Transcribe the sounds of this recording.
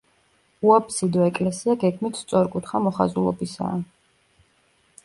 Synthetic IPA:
uapsid̪ɔɛkʼlɛsiaɡɛɡmit̪ʰst̪sʼɔɾkʼut̪χamɔχa̰zulˠɔ̰bisa̰ː

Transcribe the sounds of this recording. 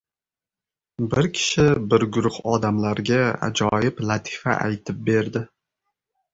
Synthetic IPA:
bɪɾkʲʰɪ̥ʃɪbɪɾɡʊɾʊχɒd̪amlaɾɡʲaa̰d͡ʒɒjɪplat̪ʰɪ̥fa̰ʔa̰jt̪ʰɪp̚be̞ɾd̪ɪ

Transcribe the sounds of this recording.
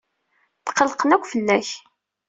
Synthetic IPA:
t̪qːəlqənækʷːfəlːæç

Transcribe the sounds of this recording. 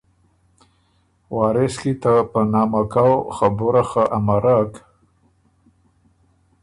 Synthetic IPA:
wɑɾɪskit̪apənɑmakawxabuɾaxaʔamaɾak

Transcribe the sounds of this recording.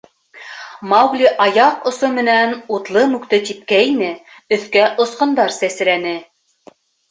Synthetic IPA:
mɑwɡlʲiʔɑjɑqŏsomɘ̆nænut̪lˠɤmʉkt̪ɘt̪ip̚kæinɘ | ɵ̆θkæʔŏsqɤ̆nd̪ɑɾsæsɘ̆ɾænɘ

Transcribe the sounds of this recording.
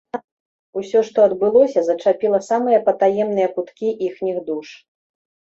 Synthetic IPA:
usʲɔʂt̪ɔɐd̪bɨlˠɔsʲɐzɐt͡ʂapʲilˠɐsamɨjɐpɐt̪ajɛmnɨjɐkut̪kʲiʔixnʲiɣd̪uʂ

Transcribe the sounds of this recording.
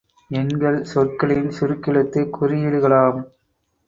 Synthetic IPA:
ɛŋɡɐɭsɔrkɐɭɪnsʊɾɯkːɪɭɐt̪ːɯkːʊɾɪjɪɻɯɣɐɭaːm

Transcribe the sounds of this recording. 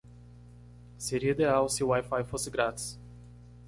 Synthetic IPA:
seɾiid̪eawsɪuwajfajfosɪɡɾat̪i̥s

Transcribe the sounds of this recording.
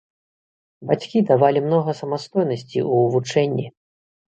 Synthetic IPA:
bat͡sʲkʲid̪avalʲimnɔɣɐsɐmast̪ɔjnɐsʲt͡sʲḭuːvut͡ʂɛnʲːi

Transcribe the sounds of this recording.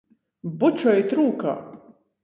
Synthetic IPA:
but͡ʃʰɔjit̪ɾuːka̰

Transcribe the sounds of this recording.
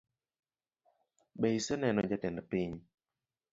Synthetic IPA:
ɓɛsɛnɛnɔd͡ʒatɛndpiɲ

